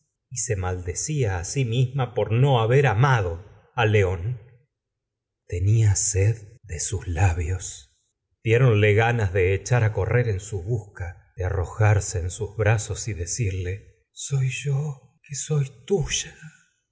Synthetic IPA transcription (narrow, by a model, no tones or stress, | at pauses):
ise̞mald̪esiaːsimizmapo̞ɾno̞aβeɾamaðo̞ | aleo̞n | t̪e̞niaseðd̪e̞suslaβjo̞s | d̪jeɾo̞nleɣanazðe̞ːt͡ʃaɾako̞rʔeɾe̞nsuβuska | ðearo̞xaɾse̞ːnsuzβɾaso̞siðe̞siɾle̞ | sojʒo | keso̞jt̪uʒ̥a